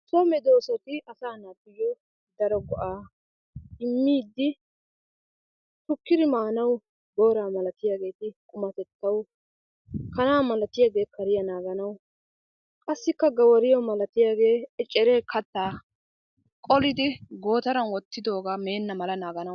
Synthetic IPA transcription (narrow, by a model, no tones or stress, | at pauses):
sɔmɛd̪o̞ːsɔt̪ɪɐsaːnaːɡɪjɔ | d̪ɐɾɔɡɔʔaː | ɪmːiːd̪ːɪ | t̪ʊkːɪd̪ɪmaːnɐw | ɡo̞ːɾaːmɐlɐt̪ɪjaːɡe̞ːt̪ɪkʼʊmɐt̪ɛt̪ːɐw | kɐnaːmɐlɐt̪ɪjaːɡe̞ːkʰɐɾɪjɐnaːɡɐnɐw | kʼɐsːɪkːɐɡɐwɐɾɪjɔmɐlɐt̪ɪjaːɡe̞ːɛt͡ʃʼːɛɾeːkʰɐt̪ːaː | kʼɔlɪd̪ɪɡo̞ːt̪ɐɾɐnwɔt̪ːɪd̪o̞ːɡameːnːɐmɐlɐnaːɡɐnɐ